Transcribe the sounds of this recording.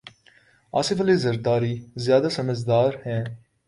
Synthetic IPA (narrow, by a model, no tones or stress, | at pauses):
a̰ːsɪfəliːzəɾd̪aːɾiːzjaːd̪asəməd͡ʒd̪aːɾhɛ̃ː